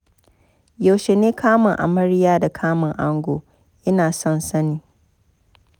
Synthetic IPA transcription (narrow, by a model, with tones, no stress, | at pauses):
ja˨wʃe˨neː˦kʰaː˦mɐ˨ŋʔa̰˨mɐ˦ɾɪ˦jaː˦da˨kʰaː˦mɐ˨ŋʔa˦ŋɡʷoː˨ | ʔɪ˦naː˨sɔ˦nsɐ˦niː˨